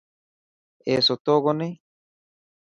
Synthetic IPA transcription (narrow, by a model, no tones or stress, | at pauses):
esot̪oɣone